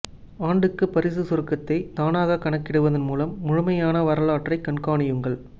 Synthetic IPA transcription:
aːɳɖɯkːɯpːɐɾɪsɯsɔɾɯkːɐt̪ːɐɪt̪aːnaːɣɐkɐɳɐkːɪɽɯʋɐðɐnmuːlɐmːʊɻʊmɐjaːnɐʋɐɾɐlaːʈrɐɪkɐɳkaːɳɪjɯŋɡɐɭ

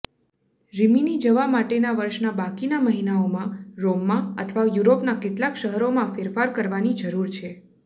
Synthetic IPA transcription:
ɾiminid͡ʒəʋamaʈenaʋəɾʃnabakinaməɦinaomãɾomːãə̰t̪ʰʋajuɾopnakeʈlakʃəɦəɾomãfeɾfaɾkəɾʋanid͡ʒəɾuɾt͡ʃʰe

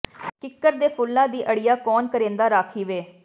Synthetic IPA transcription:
kɪkːəɾd̪eːpʰʊlːãːd̪iːʔəɽɪjaːkɔːnkəɾẽːnd̪aːɾaːkʰiːʋeː

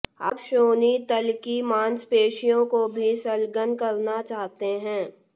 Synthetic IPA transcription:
ɐ̰pʃoːnit̪ɐlkimãːnspeːʃijõkobʱisɐlɡənkɐɾnat͡ʃaːɦt̪eɦɛ̃ː

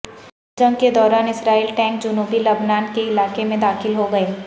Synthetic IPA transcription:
d͡ʒɐ̃ŋɡked̪ɔːɾaːnɪsɾaːiːlʈɛ̃ːŋk̚d͡ʒʊnuːbilɐbnaːnkeɪlaːkemẽd̪aːxɪlɦoɡɐeː

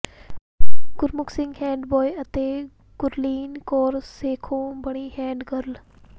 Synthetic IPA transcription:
ɡ̥ʊɾmʊksɪ̃ŋɡɦɛ̃ːɳɖbɔːjət̪eː | ɡ̥ʊɾliːnkɔːɾseːkʰõːbəɽ̃iːɦɛ̃ːɳɖɡəɾl

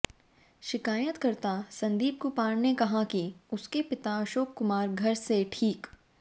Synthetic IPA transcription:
ʃɪkaːjət̪kɐɾt̪asɐ̃nd̪iːb̚kopaːɽnekɐɦãkiʊskepɪt̪aɐʃoːkːʊmaːɾɡʱɐɾseʈʰiːk

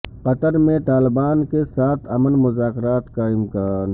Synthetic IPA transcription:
qɐt̪əɾmẽt̪aːlɪbaːnkesaːt̪ʰɐmənmʊzaːkɪɾaːt̪kaɪmkaːn

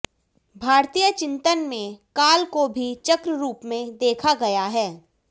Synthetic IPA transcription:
bʱaːɾt̪iːjət͡ʃɪ̃nt̪ənmẽkaːlkobʱit͡ʃɐkɾəɾuːpmẽd̪eːkʰaɡɐjaɦɛː

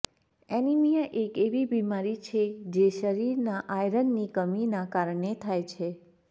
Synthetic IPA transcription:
enimijəʔekeʋibimaɾit͡ʃʰed͡ʒeʃəɾiɾnaʔajɾənːikəminakaɾɳet̪ʰajt͡ʃʰe

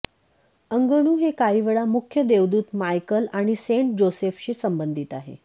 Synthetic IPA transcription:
əŋɡəɳ̃uːɦekaiʋəɭamukʰjəd̪eʋd̪uːt̪majkəlaɽ̃iseɳʈ̚d͡ʑosefɕiːsəmbənd̪ʱit̪aɦḛ

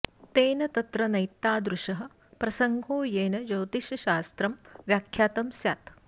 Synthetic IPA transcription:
t̪eːnɐt̪ɐt̪ɾɐnɐjt̪ːaːd̪ɾuʂɐɦɐ̆ | pɾɐsɐŋɡʱoːjeːnɐd͡ʒɐwt̪iʃɐʃaːst̪ɾɐmʋjaːkʰjaːt̪ɐmsjaːt̪

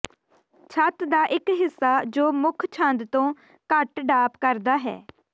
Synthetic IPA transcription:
t͡ʃʰət̪d̪aːʔɪkɦɪsːaːd͡ʒoːmʊkʰt͡ʃʰãnd̪t̪õː | kəʈɖaːpkəɾd̪aːɦɛ̰ː

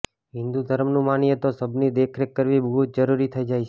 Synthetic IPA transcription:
ɦɪ̃nd̪ud̪ʱəɾəmnũmanijet̪osəbnid̪ekʰɾekːəɾʋibəɦut̪̚d͡ʒəɾuɾit̪ʰəid͡ʒajt͡ʃʰ

